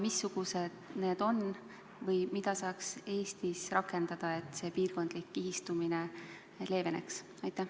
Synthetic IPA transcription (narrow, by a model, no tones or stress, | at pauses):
misːuɡ̥use̞d̪̥ne̞ːd̪̥o̞n | vɤjmid̪̥ɑsɑːkse̞ːst̪isrɑkːˑe̞nd̪̥ɑd̪̥ɑe̞t̪ˑse̞piːrko̞nd̪likːiɦist̪umine̞ | le̞ːve̞nḛks | ɑjt̪ːˑæh